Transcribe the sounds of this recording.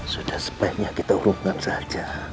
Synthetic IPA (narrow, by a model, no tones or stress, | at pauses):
sud̥ahsə̥pajɲakit̪auɾʊŋkansahad͡ʒa